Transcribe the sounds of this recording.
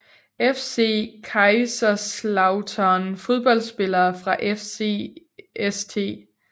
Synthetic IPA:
efse̝̰ːkʰɑ̈ɪsɐslɑ̈ʊt͡sʰɐːnfo̝ð̞ˠb̥ɒ̽l̰sb̥e̝lɐːfʁɑ̈ʔefsḛ | est͡sʰe̝̰ː

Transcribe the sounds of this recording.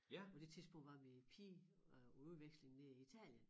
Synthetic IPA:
pʰɒ̽d̥e̝t͡sʰiðˠsb̥ɔ̽ŋ̰d̥ʋɑ̈ʋipʰḭ | uʋeɡ̥sle̝ŋneiit͡sʰɛ̰ːljən

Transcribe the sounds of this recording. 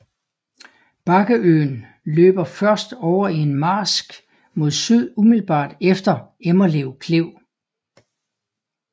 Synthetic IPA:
b̥ɑ̈ɡ̥əʔø̰ːn | lø̰ːb̥ɐfɶɐsd̥ɒʊɐie̝nmɑ̈ːsɡ̥ | mo̝ð̰ˠsyð̞̰ˠumiðl̩b̥ɑ̰̈ːd̥efd̥ɐemɐleʊkʰle̝ʊ̰

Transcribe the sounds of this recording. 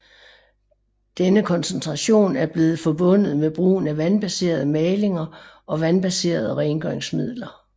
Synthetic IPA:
d̥enəkʰɒ̽nsent͡sʰʁɑ̈ɕo̝̰ːnæɐb̥le̝ːð̞̩ˠfɒb̥ɔ̽n̰ð̞̩ˠmeb̥ʁṵːn̩æʋænb̥æse̝̰ːɐðˠəmɛːle̝ŋɐʔɒ̽ʋænb̥æse̝̰ːɐð̞̩ˠəʁɛɪnɡ̥eŋsmið̞̰ˠlɐ

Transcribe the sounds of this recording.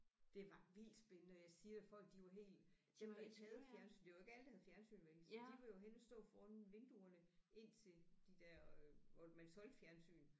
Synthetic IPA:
d̥e̝ʋɑ̈ʋil̰d̥sb̥enənəɒjɑ̈ɪsiːɐ̥æfɒ̽l̰ɡ̥̚d̥iʋɑ̈ɦe̝̰ːld̥d̥eʋe̥hɛːð̩ˠfjæɐnsy̰ːnd̥e̝ʋɑ̈e̝ɡ̥æld̥ɑhæð̞̩ˠfjæɐnsy̰ːnʋeɡ̥̩sd̥iʋejo̝ɦensd̥ɔ̰̽ːfɒːnʋe̝nd̥uɐnəʔe̝n̰t͡sʰe̝ld̥id̥æɐ̰ɒmænsɒ̽l̰d̥fjæɐnsy̰ːn

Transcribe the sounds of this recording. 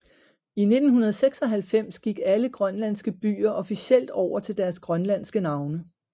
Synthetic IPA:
ine̝d̥n̩hunɐð̞̩ˠseɡ̥sɒ̽ɦælfem̰sɡ̥iɡ̥æləɡ̥ʁɶnlæn̰sɡ̥əb̥y̰ːɐʔɒ̽fiɕel̰d̥ɒʊ̰ɐt͡sʰe̝ld̥æɐsɡ̥ʁɶnlæn̰sɡ̥ənɑ̈ʊnə

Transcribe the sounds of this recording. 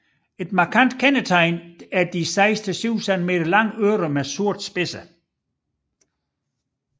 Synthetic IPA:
e̝d̥mɑ̈kʰæn̰d̥kʰænət͡sʰɑ̈ɪnæɐd̥isɑ̈ɪsd̥ʰəsyʊ̰sænme̝̰ːd̥ɐlɑ̈ŋ̰øːɾəmesuɐ̰d̥sb̥e̝sə

